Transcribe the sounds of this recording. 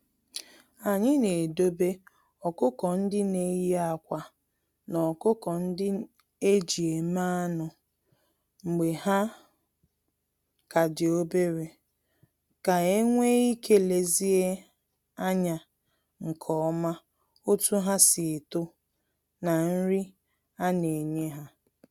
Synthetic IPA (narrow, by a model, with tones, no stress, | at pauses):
a˨ɲɪ˦ne˨do˦be˦ | ɔ˨kʊ˦kɔ˨n̩˦dɪ˦ne˨˦ja˦˨kʷa˨ | nɔ˨kʊ˦kɔ˨n̩˦dɪ˦ | e˦d͡ʒi˨e˨ma˦a˦nʊ˨ | ŋ͡m̩˨ɡ͡be˨ha˦ | ka˨dɪ˨o˦be˦ɾe˨ | ka˨e˦ŋʷe˦i˦ke˦le˨zi˦e˦ | a˦ɲa˨ | ŋ̩˨kʰɔ˨ɔ˦ma˦ | o˦tu˦ɦa˦sɪ˨tʊ˦ | na˨n̩˦ɾɪ˦ | a˦ne˨ɲe˦ɦa˦